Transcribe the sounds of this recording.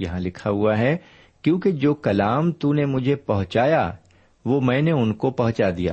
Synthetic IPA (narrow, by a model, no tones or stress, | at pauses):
jɐɦãlɪkʰaɦuaɦɛ | kjõːked͡ʒoːkɐlaːmt̪unemʊd͡ʒʱepɐɦʊ̃t͡ʃaːja | ʋoːmɛ̃ːneʊnkopɐɦʊ̃t͡ʃad̪ija̰ː